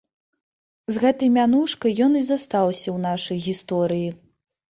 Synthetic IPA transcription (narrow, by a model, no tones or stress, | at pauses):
zɣɛt̪ɐjmʲanuʂkɐjjɔnizast̪awsʲɐwn̪aʂɐjɣʲist̪ɔɾɨji